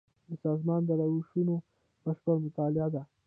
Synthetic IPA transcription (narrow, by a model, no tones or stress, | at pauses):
d̪əsɑzmɑnd̪əɾawuʃuno | pəxpəlmʊt̪ɑlɪad̪a